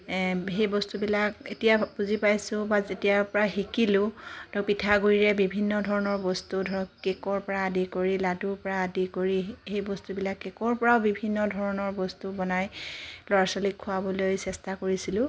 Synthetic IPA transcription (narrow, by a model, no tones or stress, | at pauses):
ɦejbɔstubilaketijabuzipajsʊ̃bazetijaɹpɔɹaxikilʊ̃tɔpitʰaɡuɹiɹɛbibʱinːɔdʱɔɹɔnɔɹbɔstudʱkɛkɔɹpɔɹaːdikoɹiladuɹpɔɹaːdikoɹixejbɔstubilakːɛkɔɹpɔɹaʊbibʱinːɔdʱɔɹɔnɔɹbɔstubɔnajlɔɹasɔlikʰːʊabɔlojsɛstakoɹisilʊ̃